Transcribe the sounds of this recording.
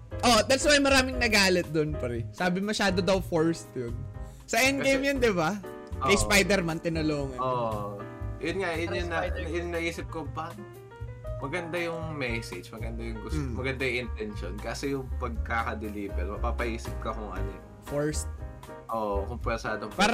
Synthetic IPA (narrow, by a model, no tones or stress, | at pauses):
ʔod̪at̪swajmɐɾaːmɪŋnɐɡaːlɪt̪̚d̪onpɐɾɛsaːbɪmɐʃaːd̪od̪ɐwfoɹst̪jon | sɐʔɛnɡejmjɐnd̪ɪba | ʔkɐjspajd̪ɛɾmant̪ɪnɐloːŋɐoʔ | jʊnŋajʊjʊnːɐjnːɐʔiːsɪp̚kopɐn | mɐɡɐnd̪ajʊŋmɛsɛd͡ʒmɐɡɐnd̪ajʊŋɡʊsmɐɡɐnd̪ajŋʔɪnt̪ɛnʃonkaːsɛjʊŋpɐɡ̚kaːkɐd̪ɛliːbɛɾmɐpapɐʔiːsɪp̚kɐkʊŋʔɐ̰no̰ | foɹst̪̚ | ʔoʔkʊmpɛɾsaːd̪oŋppaːɾ